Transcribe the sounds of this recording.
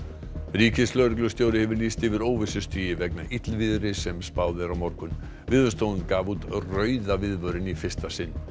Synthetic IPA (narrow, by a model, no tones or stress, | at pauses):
riːcɪslœɥɾɪk̬lʏst̪joːwɾɪhɛvʏɾliːst̪ɪvɪɾoːwvɪsʏst̪ʰiːjɪvɛknaʔit̪lvɪðʏɾɪsɛmspaːwðɪɾawmɔɾkʏn | vɪðvœst̪oːw̪ʏnkaːvut̪rœːɥðavɪðvœɾɪnifɪst̪asɪnː